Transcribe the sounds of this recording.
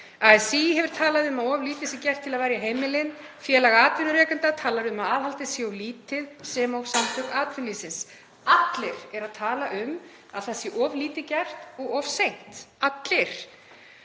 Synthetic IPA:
aɛsiːɦɛvʏɾ̥t̪ʰaːlaðɪʏmaðɔvliːt̪ɪsɪcɛr̥t̪ʰːɪlaðvajɾjaɦeːjmɪlɪn | fjɛːlaɣaaːt̪vɪnʏɾrɛːkʏnt̪at̪ʰaːlaɾʏmaðaːðɦalt̪ɪsjɛɔwliːt̪ɪðsɛmawsamt̪ʰœkaːt̪vɪnliːsɪns | at̪lɪɾ̥ɛɾaðt̪ʰaːlaʔʏm | a̰ðθasjɛʔɔːvliːt̪ɪcɛr̥t̪ɔɣɔvsejn̥t̪at̪lɪɾ̥

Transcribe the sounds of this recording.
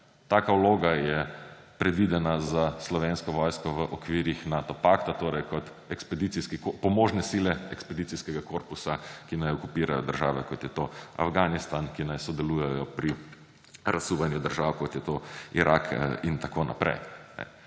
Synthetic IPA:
t̪akauloːɡajɛpɾɛd̪ʋid̪ɛnazaslɔʋenskɔʋɔːjskɔʋəʔɔkʋiːɾixnat̪ɔpakt̪at̪oːɾɛjkɔt̪ | ɛkspɛd̪it̪siskikopɔmoːʒnɛsiːlɛɛkspɛd̪it̪siskɛɡakoːɾpusakinajɔkupiːɾajɔ̰d̪əɾʒa̰ːʋɛkɔt̪jɛt̪oa̰fɡaːnist̪ankinajsɔd̪ɛluːjɛjɔpɾi | ɾasuʋanjud̪əɾʒaːwkɔt̪jɛt̪oiɾʔakʰint̪akona̰pɾɛ̰jnɛ̰

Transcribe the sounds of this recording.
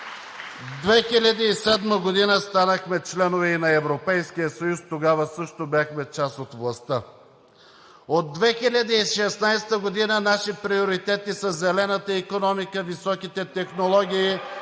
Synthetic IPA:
d̪vɛxilʲəd̪iisɛd̪məɡod̪inəst̪anəxmɛt͡ʃlɛnovɛinɐɛvɾopɛjskijəsɐjust̪oɡavəsəʃt̪objaxmɛt͡ʃasot̪vlˠɐst̪ə | od̪ːvɛxilʲəd̪iiʃɛsnajst̪əɡod̪inənaʃipɾioɾit̪ɛt̪isəzɛlɛnət̪əikonɔmikəvisɔkit̪ɛt̪ɛxnolˠɔɡʲiː

